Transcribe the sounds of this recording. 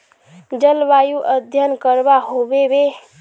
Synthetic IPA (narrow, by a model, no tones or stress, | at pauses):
d͡ʒəlbajuʔəd̪ʱjənkəɾbaɦobebe